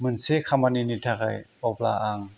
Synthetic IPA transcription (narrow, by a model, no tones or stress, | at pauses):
mɯnsekʰamaninit̪ʰaka̰jɔpla̰ʔaŋ